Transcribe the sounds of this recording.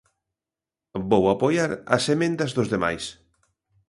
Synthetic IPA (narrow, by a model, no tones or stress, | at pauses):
bowapojaɾɐ̰semẽnd̪ɐzðʊzðema̰js